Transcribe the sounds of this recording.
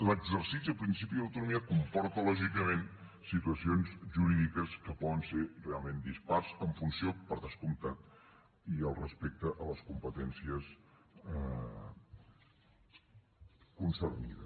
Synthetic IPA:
ləɡzəɾsisiəpɾinsip̬iðələwt̪unumiəkumpɔɾt̪əlɔʒikəmensit̪uəsionzʒuɾiðikəskəpɔðənserealˠmend̪ispaɾzəɱfunsiopəɾðəskumt̪at̪̚ | iəlˠrəspek̚t̪əʔələskumpət̪ɛnsiəsɛ | kunsəɾmḭðə̰s

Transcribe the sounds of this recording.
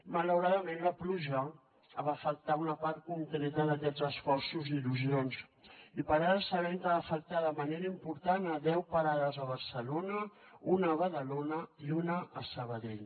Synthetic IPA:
mələwɾaðəmenləpluʒə | əβafəlt̪aunəpaɾt̪̚kuŋkɾɛt̪əðəkɛzəsfɔɾsuziluzionsipəɾaɾəsəβɛŋkəβafəlt̪aðəməneɾəimpuɾt̪anəðɛwpəɾaðəzəβ̞əɾsəlonəunəːβəðəlonəiunəʔːsəβ̞əðeʎ

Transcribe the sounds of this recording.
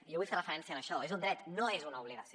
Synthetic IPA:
jowiθaɾafɾɛnθjanaʃɔezund̪ɾɛt̪nɔezunaɔβliɣas

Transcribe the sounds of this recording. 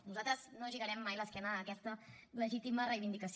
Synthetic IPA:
nuzalt̪ɾəznoʒiɣəɾɛmːajləskɛnəːkɛst̪ə | ləʒit̪imərejβind̪ikəs

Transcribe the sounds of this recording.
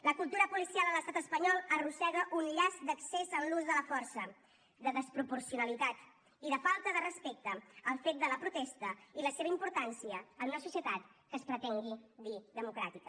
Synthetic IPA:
ləkulˠt̪uɾəpulisialˠələst̪at̪əspəɲɔlˠərusɛɣəʔunʎazd̪əksezənluzðələfɔɾsə | d̪əðəspɾupuɾsiunəlit̪at̪ | iðəfalˠt̪əðərəspek̚t̪əːlˠfet̪̚d̪ələpɾut̪ɛst̪əiləseβəimpuɾt̪ansiəːnunəsusiət̪at̪kəːspɾət̪ɛŋɡid̪iðəmukɾa̰t̪ikə

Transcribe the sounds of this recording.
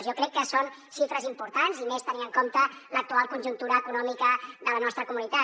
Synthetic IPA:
zjɔkɾɛkːəson | ʃifɾəzimpuɾt̪anzimest̪əniəŋkomt̪ələk̚t̪ualˠkunʲʒunt̪uɾəːkunɔmikəðələnɔst̪ɾəkumunit̪a

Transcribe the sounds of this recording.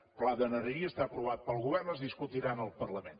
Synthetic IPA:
plaðənərəɾiəst̪aəpɾuβ̞at̪̚pəlˠɣuβ̞ɛrnəzðiskut̪iɾanəlˠpərləmen

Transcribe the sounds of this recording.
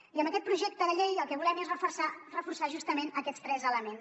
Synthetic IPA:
iəmbəkɛt̪pɾuʒɛk̚t̪əðəʎejəlˠkɛβulɛmezrəfursarəfursaʒust̪əmenəkɛtst̪ɾɛzələmen

